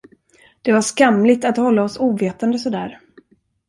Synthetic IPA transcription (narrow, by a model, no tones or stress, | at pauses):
d̪̥ɛvaʂkamlɪt̪at̪hɔlːaɔsuːveːt̪ənd̪əsɔd̪æːɾ